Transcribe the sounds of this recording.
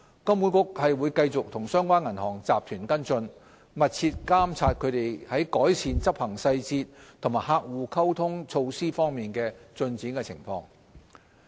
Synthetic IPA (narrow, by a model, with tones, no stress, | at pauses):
kɐ˥mu˨˧˥nkʊ˥k̚hɐ˨jwuː˨˧jkɐ˧jt͡sʊ˨k̚t̪ʰʊ˨˩ŋsœː˥ŋkʷaː˥nŋɐ˨˩nhɔː˨˩ŋt͡saː˨p̚t̪ʰyː˨˩nkɐ˥nt͡sɵ˧n | mɐ˨t̚t͡sʰiː˧t̚kaː˥mt͡sʰaː˧t̚kʰɵ˨˧ɥt̪e˨jhɐ˨˥jkɔː˨˥jsʰiː˨˧nt͡sɐ˥p̚hɐ˨˩ŋsɐ˧jt͡siː˧t̚t̪ʰʊ˨˩ŋmaː˨˩jɦaː˧k̚wuː˨kʰɐ˥wt̪ʰʊ˥ŋt͡sʰo˧wsiː˥fɔː˥ŋmiː˨nkɛː˧t͡sɵ˧nt͡siː˨˥nkɛ˧t͡sʰɪ̰˨˩ŋfɔ̰ː˧ŋ